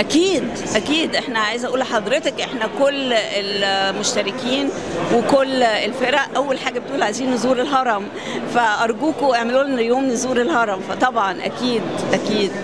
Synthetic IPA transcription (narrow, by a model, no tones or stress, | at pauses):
ʔækiːd̪ | ʔækiːd̪ʔeħnæʕajezʔæʔuːlħɑd̪ˤɾet̪ekʔeħnækolːelmoʃt̪æɾekiːn | wekolːelfeɾæʔʔæwːælħaːɡæbet̪ʔuːlʕajziːnːozuːɾelɦɑɾˤɑm | fæʔɑɾˤɡuːkoʔeʕmeluːʔnjoːmnezuːɾelhɑɾˤɑmfæt̪ˤɑbʕɑnʔæ̰kiːd̪ʔækiːd̪̚